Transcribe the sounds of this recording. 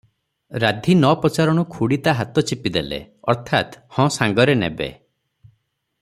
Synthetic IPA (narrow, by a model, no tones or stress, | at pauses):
ɾad̪ʱinɔpɔt͡ʃaɾɔɽ̃ɔkʰuɽit̪aɦat̪ɔt͡ʃipid̪elḛ | ɔ̰ɾt̪ʰat̪hɔ̃saŋɡɔɾenḛbḛ